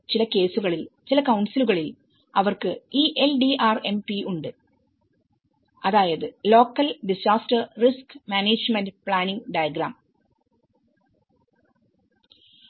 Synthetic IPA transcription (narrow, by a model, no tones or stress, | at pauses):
t͡ɕilɐke̞ːsuɣɐɭilt͡ɕilɐkɐwɳsiluɣɐɭil | ɐʋɐrkɨiːʔelɖiʔaːre̞mpiuɳɖɨ | ɐðaːjɐðɨlo̞ːkːɐlɖisaːstɐrriskmaːneːd͡ʑmɐndpɭaːniŋɡɖɐjɐɡɾaːm